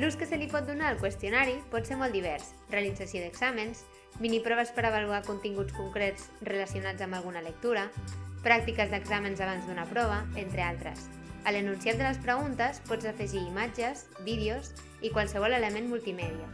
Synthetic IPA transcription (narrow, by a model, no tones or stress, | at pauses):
luskəsəlipɔt̪̚d̪unaːlˠkwəst̪junaɾipɔt̪seɾmɔlt̪d̪iβɛɾs | realid͡zasijoðəɡz̥aməns | binipɾɔβ̞əspəɾəβ̞aluakunt̪iŋɡut͡skuŋkɾet͡srələsiunad͡zəmbalˠɣ̞unələk̚t̪uɾəpɾak̚t̪ikəzðəɡzamənzaβ̞anzd̪unəpɾɔβ̞əent̪ɾealˠt̪ɾə̰s | ələnunsiat̪d̪ələspɾəɣunt̪əspɔd͡zəfəʒiːmad͡ʒəz | bið̞ioz | ikwalˠsəβɔlələmenmulˠt̪imɛðiə